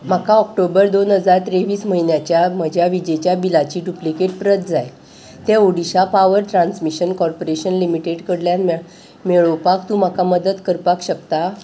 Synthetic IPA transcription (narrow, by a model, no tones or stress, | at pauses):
m̤akaɔkʈobəɾd̪onɦəd͡zaɾt̪ɾeʋiːsməɦinjat͡ɕjaməd͡ʑʱjaʋid͡ʑet͡ɕjabilat͡ɕiːɖuplikeʈ̚pɾət̪d͡zaj | t̪ẽoɽiɕapaʋəɾʈ̪ɾãnsmiɕənkɔɾpoɾeɕənlimiʈeɖkəɽljanm | meɭopakt̪ũm̤akaməd̪ət̪kəɾpakɕək̚t̪a